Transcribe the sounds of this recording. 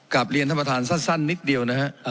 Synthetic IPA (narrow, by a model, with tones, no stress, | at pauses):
kla˨˩p̚ɾi˧ənt̪ʰmːa˧t̪ʰaː˩˧˦nsa˥˩nsa˥˩nːi˦˥t̪̚di˧əwna˦˥kʰa˦˥ʔ